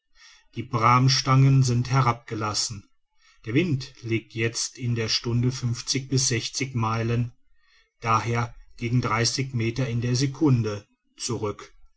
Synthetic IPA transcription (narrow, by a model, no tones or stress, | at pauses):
d̥iːbʁaːmʃtaŋənzɪnthɛɐʁap̚ɡ̥əlasn̩ | d̥eːɐvɪntleːk̚tʰjɛt͡stɪndeːɐʃtʊndəfʏnft͡sɪçb̥ɪs̬z̥ɛçt͡sɪçmaɪlən | d̥aːheːɐɡ̥eːɡŋ̩dʁaɪsɪçmeːtɐɪndeːɐzekʰʊndə | t͡suʁʏk